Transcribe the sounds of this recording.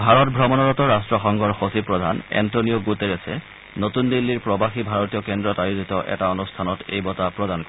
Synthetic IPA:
bʱaɹɔtbʱɹɔmɔnɔɹɔtɔɹastɹɔxɔŋɡɔɹxosipɹɔdʱanɛ̰ntonioɡuteɹɛsɛ | notundilːiɹpɹɔbaxibʱaɹɔtijɔkɛndɹɔtajuzitɔʔɛ̰taonustʰanɔtḛjbɔtapɹɔdankɔ

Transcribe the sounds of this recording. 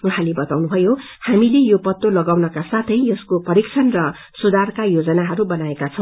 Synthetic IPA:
uɦãlebʌt̪awnubʱʌjo | hamilejopʌt̪ːolʌɡawnʌkasat̪ʰʌjʌskopʌɾikt͡sʰʌnrʌ | sud̪arkajod͡zʌnaɦʌɾubʌnaekat͡sʰʌ̃w̃

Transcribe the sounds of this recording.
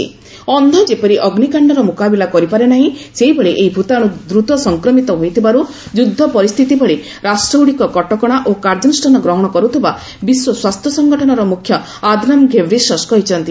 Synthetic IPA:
ḭ | ɔnd̪ʱɔd͡ʒepɔɾiʔɔɡnikaɳɖɔɾɔmukabilakɔɾipaɾenaɦĩseɦibɔɭeʔejbʱut̪aɽ̃ud̪ɾut̪ɔsɔŋkɾɔmit̪ɔɦojt̪ʰibaɾu | d͡ʒud̪ʱːɔpɔɾist̪ʰit̪ibɔɭe | ɾasʈɾowɽikɔkɔʈɔkɔɽ̃aʔokaɾd͡ʒɔnisʈʰɔnɔɡɾɔɦɔɽ̃ɔkɔɾut̪ʰiba | biswɔswast̪ʰjɔsɔŋɡɔʈʰɔnɔɾɔmukʰjɔ | ad̪ʱnamɡʱebɾisɔskɔɦit͡ʃʰɔnt̪i

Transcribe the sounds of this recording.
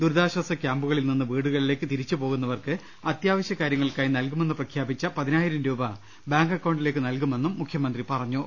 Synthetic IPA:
d̪uɾd̪aːɕwɐsɐkʲjaːmbuɣɐɭilninːɨʋiːɽuɣɐɭile̞ːkːɨt̪iɾit͡ɕːupo̞ːɣunːɐʋɐrkɨ | ɐt̪jaːʋɐɕjɐkaːɾjɐŋːɐɭkaːjinɐlkume̞nːɨprɐkʰjaːbit͡ɕːɐpɐðinaːjiɾɐmɾuːbɐ | baːŋɡɐkːɐwɳɖile̞ːk̬ːɨnɐlkume̞nːumːukʰjɐmɐnd̪ripɐrɐɲːu

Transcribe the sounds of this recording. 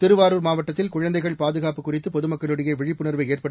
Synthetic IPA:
t̪ɪɾɯʋaːɾuːɾmaːʋɐʈːɐt̪ːɪlkʊɻɐnd̪ɐɪɣɐɭpaːðɯɣaːpɯkːʊrɪt̪ːɯpɔðɯmɐkːɐɭɯɽɪjɐʋɛɻɪpːɯnɐɾʋɐɪeːrpɐɽɯ

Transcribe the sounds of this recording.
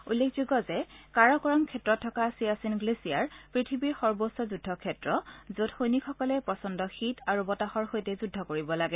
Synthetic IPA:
ṵlːekʰzuɡɔzɛkaɹɔkɔɹɔŋkʰɛtɹɔtʰːɔkasiasinɡlesiaɹpɹitʰibiɹxɔɹbosɔzudʱːɔkʰɛtɹɔzotxojnikʰɔkɔlɛpɹɔsɔndɔxitaɹubɔtaxɔɹxojtɛzudʱɔkoɹibɔlaɡɛ

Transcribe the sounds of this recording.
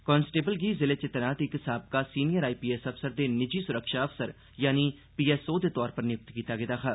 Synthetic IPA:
kɔːnsʈeːbəlɡiːzɪleːt͡ʃɪt̪naːt̪ɪksaːb̚kaːsiːnijəɾaːiːpiːɛsəfsəɾd̪eːnɪd͡ʒiːsʊɾəkʃaːəfsəɾ | jaːniː | piːɛːsoːd̪eːt̪ɔːɾpəɾnɪjʊk̚t̪kiːt̪aːɡɪd̪aːkʰaː

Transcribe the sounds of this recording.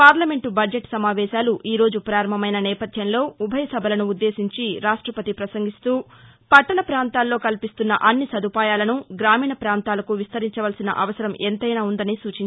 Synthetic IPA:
paːɾlɐme̞ɳʈubɐd͡ʒeʈsɐmaːʋɛːʃaːluʔiːɾo̞ːd͡ʒupɾaːɾɐm̤ɐmɐjnɐnɛːpɐd̪ʱjɐnlo̞ːubʱɐjɐsɐbʱɐlɐnuːd̪ːe̞ːsiɲt͡ʃiɾaːʂʈɾɐpɐt̪ipɾɐsɐŋɡist̪uːpɐʈːɐlɐpɾaːnt̪aːlːo̞ːkɐlpist̪unːɐ̰ʔɐnːisɐd̪ʱupaːjaːlɐnuɡɾaːmiːɳɐpɾaːnt̪aːlɐkuʋist̪ɐɾiɲt͡ʃɐʋɐlsinɐ̰ʔɐʋɐsɐɾɐmʔent̪ɐjnaːund̪ɐnisuːt͡ʃinɲ

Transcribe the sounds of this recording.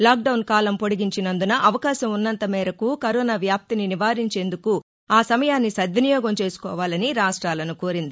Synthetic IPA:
laːk̚ɖɐwnkaːlɐmpo̞ɽiɡiɲt͡ʃinɐnd̪unɐʔɐʋɐkaːʃɐmunːɐnt̪ɐmɛːɾɐkukɐɾɔːnaːʋjaːp̚t̪ininiʋaːɾiɲt͡ʃe̞ːnd̪uku | aːsɐmɐjaːnːisɐd̪ʱɐnijɔːɡɐmt͡ʃe̞ːsu̥kɔ̰ːʋaːlɐniɾaːʂʈɾaːlɐnukoːɾind̪i

